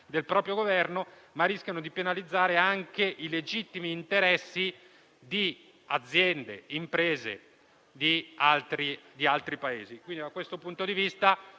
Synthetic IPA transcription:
d̪elpɾɔːpɾjoɡovɛrno | marːiskʲjanod̪ipenalid̪zːaːɾeaŋkeʔiled͡ʒit̪ːimiːnt̪eɾɛsːi | d̪i | ad̪zːjɛnd̪ḛimpɾeːzḛ | d̪ialt̪ɾid̪ialt̪ɾipaeːzikwind̪id̪akwest̪opunt̪od̪ivist̪a

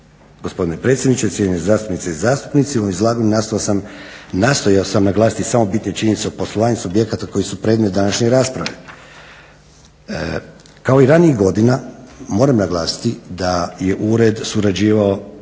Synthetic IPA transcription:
ɡ̥ospo̞d̪inepɾe̞ːt̪sʲjed̪nit͡ʃet̪sʲjenezaːst̪upnit̪seizaːst̪u̥pnit̪siumizlˠaɡonnast̪ojosam | nast̪o̞jaosamnaɡlˠaːsi̥t̪isamo̞bit̪net͡ʃiɲe̞nit̪seoposlˠoʋaːɲusubje̞kat̪ako̞jisupɾed̪met̪d̪anaʃɲe̞ɾaːspɾaʋe̞ | kao̞iɾaniiɣɡo̞d̪inamo̞ːɾamnaɡlˠaːsi̥t̪id̪aje̞ʔuɾe̞d̪suɾad͡ʑiːʋao̞

